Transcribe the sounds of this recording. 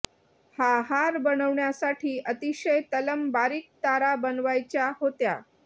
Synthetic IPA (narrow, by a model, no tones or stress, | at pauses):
haɦaɾbənəʋɳjasaʈʰiːʔət̪iɕəjt̪ələmbaɾiːk̚t̪aɾabənʋajt͡ɕjaɦot̪ja̰